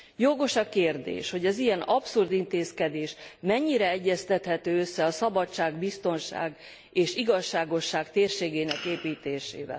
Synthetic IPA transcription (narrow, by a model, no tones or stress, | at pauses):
joɡo̞ʃɒkeːrd̪ḛːʃho̞ɟɛzijɛnɒpsurd̪int̪eːskɛd̪eːʃmɛɲːiɾɛɛɟːɛst̪ɛt̪hɛt̪øːøsːɛɒsɒbɒt͡ʃːaːɡbist̪o̞nʃa̰ːɡ | eːʃiɡɒʃːaːɡo̞ʃːaːkt̪eːrʃeːɡeːnɛkeːpiːt̪eːʃḛːvɛ̰l